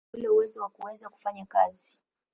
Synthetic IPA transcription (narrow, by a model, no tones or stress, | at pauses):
ulɛuwɛzɔwakuwɛzaku̥faɲakazi